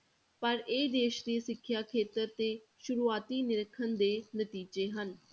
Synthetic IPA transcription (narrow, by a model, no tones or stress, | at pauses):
pəɾeːd̪eːʃd̪eːsɪkʰːjaːkʰeːt̪əɾt̪eː | ʃʊɾuːaːt̪iːnɪɾəkʰːənd̪eːnət̪iːd͡ʒeːɦən